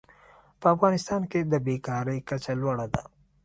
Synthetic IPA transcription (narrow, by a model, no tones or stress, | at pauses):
pəɐfɣɑːnɪst̪ɑːnked̪əbekɑːɾəjkɐt͡ʃalwaɽad̪a̰